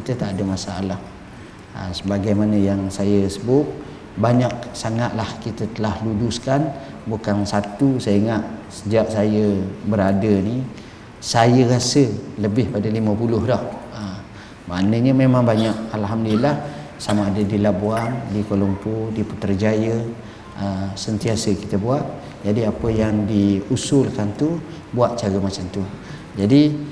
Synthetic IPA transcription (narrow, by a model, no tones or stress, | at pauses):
kit̪ət̪aʔadəmasaa̰lah | ə̰səbaɡajmanəjaŋsajəsəbʊp̚ | baɲak̚saŋaʔ̪lahkit̪ət̪əlahluduskan | bukansat̪usaiŋaʔsəd͡ʒaʔsajəbəɾadəni | sajəɾasələbɪhpadaliməpulʊhdɔhə | maʔnəɲəmemãŋbaɲaʔalɦamdilah | samaːdədilabuaŋdikolompodipət̪ərd͡ʒajə | ʔəsənt̪iasəki̥t̪əbuaʔ̪̚ | d͡ʒadiapəjaŋdiusʊlkant̪u | buaʔ̚t͡ʃaɾəmat͡ʃamt̪u | d͡ʒadi